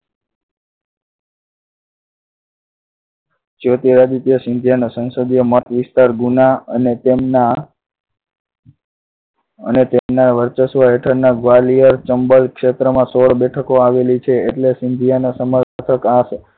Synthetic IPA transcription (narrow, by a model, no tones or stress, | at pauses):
t͡ʃot̪iɾad͡ʒ̪it̪ijəsɪnd̪ʱijanosə̃nsod̪ijəmət̪ʋɪst̪aɾɡunaənet̪emna | ə̰net̪emnaɾʋəɾt͡ʃəsʋəɦeʈʰəɾnaɡʋalijəɾt͡ʃəmbəlkʃet̪ɾəmãsoɽbɛʈʰəkoaʋelit͡ʃʰeːʈlesɪnd̪ʱijanosəməɾət̪ʰəkaʃe